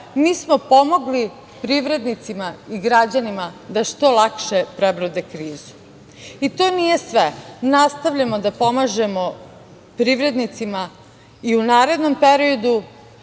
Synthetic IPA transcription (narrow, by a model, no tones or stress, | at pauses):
miːsmopo̞mo̞ɡli | pɾiʋɾe̞d̪nit̪simaiɡɾad͡ʑanimad̪aʃt̪o̞lˠakʃepɾebɾod̪ekɾiːzu̥ | it̪o̞ːnije̞sʋenast̪aʋʎamod̪apo̞maʒe̞mo̞ | pɾiʋɾe̞d̪nit̪sima | iunaːɾe̞d̪no̞mpeɾiod̪u